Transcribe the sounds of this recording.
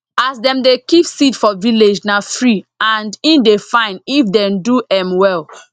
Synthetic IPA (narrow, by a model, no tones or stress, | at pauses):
asdɛ̃mdekipsitfɔviled͡ʒnaθɹiãndĩndefãɪ̃nifdɛ̃mduɛ̃mwɛl